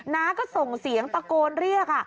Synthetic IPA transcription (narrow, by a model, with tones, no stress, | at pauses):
naː˦˥kɔː˥˩so˨˩ŋsi˩˦əŋpa˧koː˧nɾi˥˩ək̚a˥˩